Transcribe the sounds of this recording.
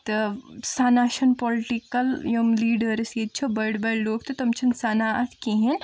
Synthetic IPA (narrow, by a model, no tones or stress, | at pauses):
t̪ɐsaːnaːʃɐnpɔlʈikɐljɐmliːɖəɾsjed̪̚t͡ʃʰobɐɽbɐloːɡ̚t̪ɐt̪ɐmt͡ʃʰɐnsaːnaɐt̪ʰkiɦen